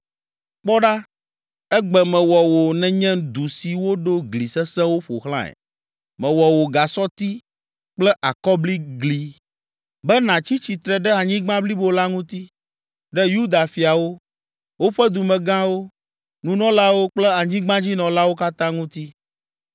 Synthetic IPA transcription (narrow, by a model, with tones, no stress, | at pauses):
k͡pɔ˦ɖa˦ | ɛ˦ɡ͡bɛ˨mɛ̃˨wɔ˨wo˨nɛ̃˨ɲɛ̃˦d̪u˨si˨wo˦ɖo˦ɡli˨sɛ˦sɛ̃˦wo˦ɸo̰˨xlã̰˦ɛ̰˨ | mɛ̃˨wɔ˨wo˨ɡa˨sɔ˦t̪i˦ | k͡plɛ˦ʔa˨kɔ˦bli˦ɡli˨ | bɛ˦nã˨t͡ɕi˦t͡ɕi˨t̪ɾɛ˨ɖɛ˦a˨ɲĩ˦ɡ͡bã˦bli˦bo˦la˦ŋũ˦t̪i˦ | ɖɛ˦ju˦d̪a˨fi˨a˨wo˦ | wo˦ɸɛ˦d̪u˨mɛ̃˨ɡã˦wo˦ | nũ˨nɔ̃˦la˦wo˦k͡plɛ˦a˨ɲĩ˦ɡ͡bã˦d͡ʑi˦nɔ̃˨la˦wo˦ka˦t̪ã˦ŋũ˦t̪i˦